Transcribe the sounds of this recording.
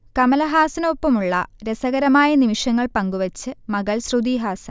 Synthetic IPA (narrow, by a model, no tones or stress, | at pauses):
kɐmɐlɐɦaːsɐnɐʋopːɐmuɭːɐɾesɐɣɐɾɐmaːjɐnimiʂjɐŋːɐɭpɐŋɡuʋɐt͡ɕːɨmɐɣɐɭsrud̪iːɦaːsɐ